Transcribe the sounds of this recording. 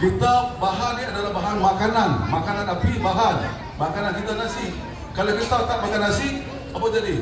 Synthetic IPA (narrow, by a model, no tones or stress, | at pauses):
kit̪abaɦaniadalahbaɦanmakananmakananapibaɦan | makanankit̪anasi | kalakit̪at̪aʔ̚makanasiʔ | abad͡ʒadi